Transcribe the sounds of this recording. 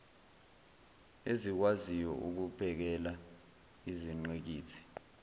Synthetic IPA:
ezik̬wazijɔ̰ʔuk̬upʰɛk̬ɛla | iziŋ͡ǀek̬iːt͡sʰi̥

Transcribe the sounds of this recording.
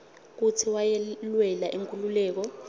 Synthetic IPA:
k̬utʰiwajɛlwɛlaʔiŋkʼululɛːk̬ɔ

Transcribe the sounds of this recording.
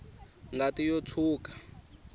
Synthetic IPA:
ŋɡatijot͡sʰuːkḁ

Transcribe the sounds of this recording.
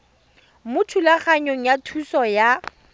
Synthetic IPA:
mʊtʰulaχaɲoŋ̩jatʰusɔja

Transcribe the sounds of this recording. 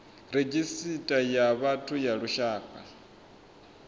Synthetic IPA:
ɾed͡ʒisitʼajaβatʰujaɺuʃaːkʼa̰

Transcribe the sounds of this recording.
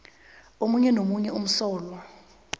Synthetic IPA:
omuɲɛnomuɲɛum̩sɔːlwa

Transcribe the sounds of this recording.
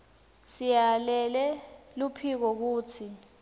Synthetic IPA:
sijalɛlɛlupʰik̬ɔk̬uːtʰi

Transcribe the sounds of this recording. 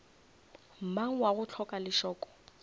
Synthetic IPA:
m̩maŋ̩waɣʊt͡ɬʰɔkʼalɪʃɔːkʼɔ̥

